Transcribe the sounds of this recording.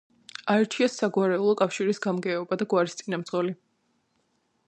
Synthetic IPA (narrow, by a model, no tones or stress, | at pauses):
aɛɾt̪ʰiasːaɡwaɾɛulˠɔkʼafʃiɾisɡamɡɛɔbad̪aɡwaɾist̪sʼinamt̪zʁɔli